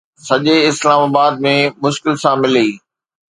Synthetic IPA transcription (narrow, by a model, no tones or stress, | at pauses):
sɐʄeɪslaːmaːbaːd̪̚mẽmʊʃkɪlsãmɪliː